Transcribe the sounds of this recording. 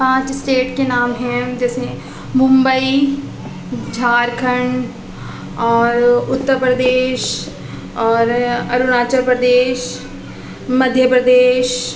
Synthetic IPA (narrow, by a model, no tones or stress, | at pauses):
pãːt͡ʃsʈeːʈkenaːmɦɛ̃d͡ʒɛːse | mʊ̃mbəi | d͡ʒʱaːɾkʰəɳ | ɔːɾʊt̪ːəɾpɾəd̪eːʃ | ɔːɾɐɾʊnaːt͡ʃəɾpɾəd̪eːʃ | mɐd̪ʱjəpɾəd̪eːʃ